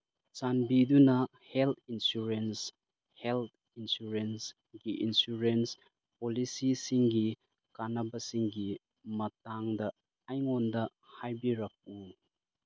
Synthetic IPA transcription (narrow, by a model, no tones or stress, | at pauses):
t͡ʃanbidunɐ | helt̪ʰinsuɾens | helt̪̚ʰ | insuɾens | ɡiʔinsuɾens | polisisiŋɡi | kanɐbɐsiŋɡi | mɐtaŋdɐː | jŋondɐ | hajbiɾɐk̚u